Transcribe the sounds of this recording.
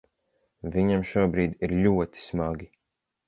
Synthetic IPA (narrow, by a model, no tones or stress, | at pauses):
viɲamʃuɔbɾiːd̪iɾlʲuɔt̪i̥smaɡi